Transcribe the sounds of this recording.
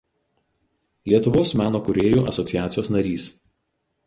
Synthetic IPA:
lʲiɛt̪ʊʋoːsmʲæːnoːkʊɾʲeːjuːʔɐ̰sɔt̪sʲɪjæːt̪sʲɪjoːsnɐɾʲiːs

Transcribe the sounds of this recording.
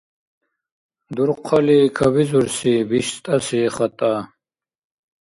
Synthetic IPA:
d̪uɾqʷqʰalikʰabizuɾsibiʃst̪ʼasiχat̪ʼa

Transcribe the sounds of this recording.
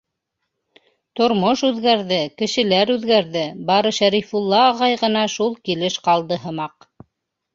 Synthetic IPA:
t̪ŏɾmoʃʉðɡæɾðɘkɘ̆ʃɘ̆læɾʉðɡæɾðɘbɑɾɤʃæɾifulˠːɑːʁɑjʁɤ̆nɑʃulˠkilɘʃqɑlˠd̪ɤɦɤ̆mɑq

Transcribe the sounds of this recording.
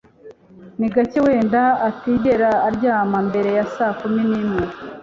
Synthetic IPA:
niɡacewe̞ːndaːtiɟe̞ɾaːɾɟaːmambe̞ɾe̞jasaːkuminin̥huɾu

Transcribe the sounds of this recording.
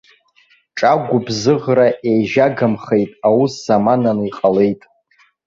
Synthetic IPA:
ʈ͡ʂʼaɡʷʊbzɨʁraʔejʒaɡamχe̞jtʼawusz̥amananiqʼale̞jtʼ

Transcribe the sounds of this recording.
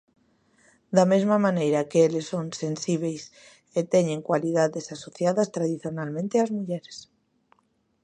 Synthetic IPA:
d̪amezmamãnejɾakeelesːonsensiβ̞ejs | et̪eɲeŋkwaliðaðesasoθjaðast̪ɾaðiθjonalmẽnt̪eazmuʎeɾes

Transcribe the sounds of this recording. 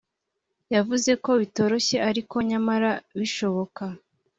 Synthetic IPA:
javuze̞ko̞βito̞ːɾo̞çe̞aɾiko̞ɲamaɾaβiʃo̞βo̞ka

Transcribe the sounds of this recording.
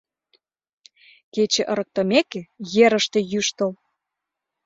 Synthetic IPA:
ket͡ɕĕʔə̆ɾə̆k̚t̪ɤ̆mekejeɾə̆ʃt̪ĕjyʃt̪ə̆l

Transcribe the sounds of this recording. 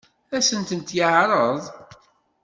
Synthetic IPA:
æsənt̪ənt̪jəʕɾˤəðˤ

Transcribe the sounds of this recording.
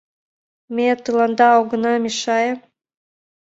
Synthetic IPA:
mʲet̪ɯlɑnd̪ɑɑwɡɤ̆nɑmʲiʃɑjə

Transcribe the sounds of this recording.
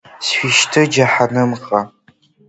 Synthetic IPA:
sʃʷiʃtʰɨd͡ʒaħanɨmqʼa

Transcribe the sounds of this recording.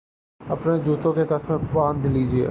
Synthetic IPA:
ɐpned͡ʑuːt̪õkʰeːt̪ɐsmẽɓãːnd̪ʱliːd͡ʑiḛ

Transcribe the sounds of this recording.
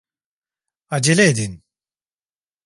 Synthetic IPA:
ad͡ʒeleːd̪in

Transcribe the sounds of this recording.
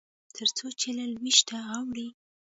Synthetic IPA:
t̪ʰəɾt͡sot͡ʃelalwiʃt̪aawɽi

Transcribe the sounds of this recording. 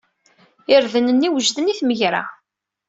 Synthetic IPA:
ɪɾðənənːiwəʒðəniθməʝɾa̰

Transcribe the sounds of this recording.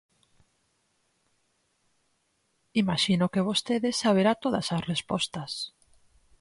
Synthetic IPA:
imaʃinokeβost̪eðesaβ̞eɾat̪oðasasrespɔst̪ɐs

